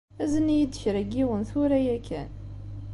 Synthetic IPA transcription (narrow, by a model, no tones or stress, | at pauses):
æzənijəd̪ːəçɾæɡiwənθʊɾæjækʰːæ̰n